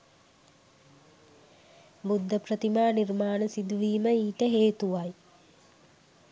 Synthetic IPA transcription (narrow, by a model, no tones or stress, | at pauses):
bud̪ʱːəpɾət̪imaːnirmaːnəsid̪uʋiːməiːʈəɦeːt̪uʋaj